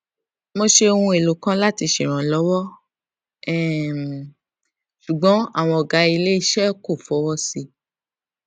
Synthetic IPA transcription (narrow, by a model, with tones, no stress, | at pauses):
mõ˧ʃe˧o˧hũ˧e˨lo˨kã˦la˦ti˧ʃe˨ɾ̃ã˨lɔ˨˦wɔ˦ | ɛ˦˨ | ʃu˨ɡ͡bɔ̃˨˦a̰˦˨w̃ɔ̃˧ɔ˨ɡa˨˦i˧le˦i˦˧ʃɛ˦ko˦˨fɔ˨˦wɔ˦si˧